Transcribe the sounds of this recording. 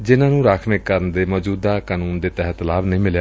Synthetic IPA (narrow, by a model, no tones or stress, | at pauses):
d͡ʒɪnãːnũːɾaːkʰmɪkːəɾənd̪eːmɔːd͡ʒuːd̪aːkaːnuːnd̪eːt̪ɛɦət̪laːʋnĩːmɪljaː